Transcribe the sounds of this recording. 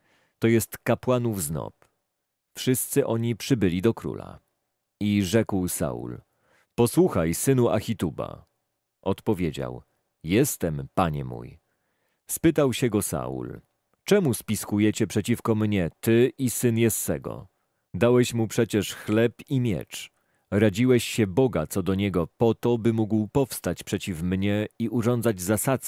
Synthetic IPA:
t̪ɔjɛst̪kapwanuvznɔ̰p | fʂɘst̪sɘʔɔɲipʂɘbɘlʲid̪ɔkɾṵla̰ | iʐɛkwsa̰ṵl | pɔswuxajsɘnuʔa̰xʲit̪uba̰ | ʔɔt̪pɔvʲjed͡ʑa̰w | jɛst̪ɛmpaɲɛ̰mṵj | spɘt̪awɕɛɡɔsa̰ṵl | t͡ʂɛmuspʲiskujɛt͡ɕɛpʂɛt͡ɕifkɔmɲɛt̪ɘʔisɘnjɛst̪sɛ̰ɡɔ̰ | d̪awɛɕmupʂɛt͡ɕɛʂxlɛpimʲjɛ̰t͡ʂ | ɾad͡ʑiwɛɕɕɛbɔɡat̪sɔd̪ɔɲɛɡɔpɔt̪ɔbɘmuɡwpɔfst̪at͡ɕpʂɛt͡ɕifmɲɛiʔuʐɔnd̪zad͡ʑzasat̪s

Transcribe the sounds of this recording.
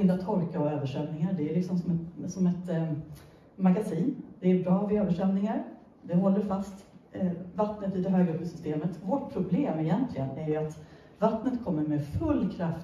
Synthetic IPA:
ɪnd̪at̪ʰɔɾkaɔøːvəʂœmnɪŋaɖ̪ɛæɭɪksɔmsɔmɛt̪sɔmɛt̪ | maɡasiːnd̪̥ɛæɾbɾɑːvɪøːvəʂɛmnɪŋaɾ | d̪ɛɦɔlːəɾfast̪ | vat̪nət̪ɪd̪ɛɦøːɡaɵpːəsʏ̥st̪eːmət̪vɔʈ̚pʰɾʊbleːmɪjɛnt̪ʰlɪɡənæɾjɵat̪ | vat̪nət̪kʰɔmːəɾmɛfɵlːkʰɾaf

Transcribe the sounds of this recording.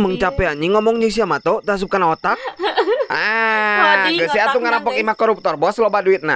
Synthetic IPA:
məŋt͡ʃapɛaɲiŋɔmɔŋd͡ʒəs̬iamat̪ot̪əɦas̬up̚kanaot̪ak̚ʔa | ɡasɪat̪uŋanapɔkimahkɔɾup̚t̪ɔrboasəlobaduɪt̪̚na̰

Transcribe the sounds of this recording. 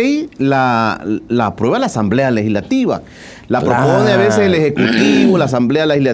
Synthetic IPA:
jla | lapɾweβalaːsamblealexizlat̪iβa̰ | lapɾoponeaβeseselexekut̪iβolaːs̬amblealehizla

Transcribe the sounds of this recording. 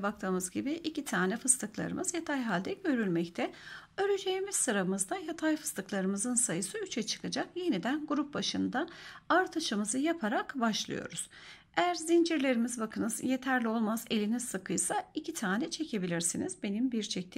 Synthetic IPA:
bakt̪ʰɯːmɯzɟibiʔːcit̪ʰaːnɛfɯst̪ʰɯklˠa̰ɾɯ̰mʔɯz̥jat̪ʰajɦalʲd̪ɛɟø̞ɾylʲmɛct̪ʰɛø̞ɾyd͡ʒe̞jimiz̥sɯɾamɯzd̪ajat̪ʰajfɯ̥st̪ɯklˠaɾɯmɯzɯnsajɯsɯyt͡ʃʰɛt͡ʃʰɯ̥kʰad͡ʒakje̞nid̪ænɡuɾup̚baʃɯnd̪aaɾt̪ʰɯʃɯmɯzɯjapʰaɾakbaʃlˠɯ̰jo̞̰ɾuz̥ | ejæɾzind͡ʒiɾlʲe̞ɾimizbakʰɯnɯzje̞t̪ʰæɾlʲio̞lˠmaze̞lʲiniz̥sɯkʰɯjsaicʰit̪ʰaːnɛt͡ʃʰe̞cʰe̞bilʲiɾsinizbe̞nimbiɾt͡ʃʰɛc̚t̪ʰ

